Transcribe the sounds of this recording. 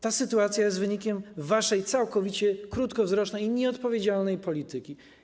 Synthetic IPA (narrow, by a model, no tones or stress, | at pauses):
t̪asɘt̪uat̪sʲjajɛst̪vɘɲikʲɛmvaʂɛjt̪sawkɔvʲit͡ɕɛkɾut̪kɔvzɾɔʂnɛjɲɛɔt̪pɔvʲjed͡ʑalnɛjpɔlʲit̪ɘkʲi